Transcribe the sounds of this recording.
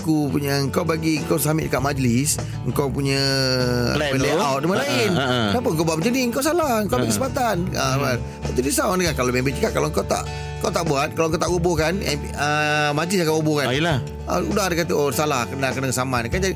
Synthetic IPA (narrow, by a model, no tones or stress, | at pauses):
kupuɲəəŋkawbaɡiŋkawsamiʔ̚dəkaʔ̪̚mad͡ʒlɪs | əŋkawpuɲə̰̃ | bəleawt̪̚əmalaɪndapəŋk̬obaʔbəd͡ʒədiəŋkawsalahəŋkawbakisəbat̪anəa | at̪udisaanəkankalomɛmbit͡ʃəkat̚kːaloəŋkawt̪a̰ʔ | ŋkawt̪aʔbuat̪̚kaloŋkowt̪aʔubokana | əmad͡ʒlisaŋkaɡubokaila | ə̰udahdəkat̪əosalahkənakənakəsamankand͡ʒadi